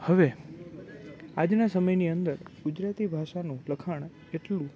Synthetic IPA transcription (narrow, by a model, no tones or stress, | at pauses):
həʋe | ad͡ʒnasəməjniənd̪əɾɡʊd͡ʒɾat̪ibʱaʃanũləkʰaɳ̃ | eʈlũ